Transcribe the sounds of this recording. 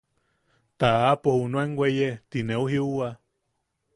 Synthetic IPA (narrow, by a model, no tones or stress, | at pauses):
t̪aapohunueŋɡwʷejet̪ineuɦiuwa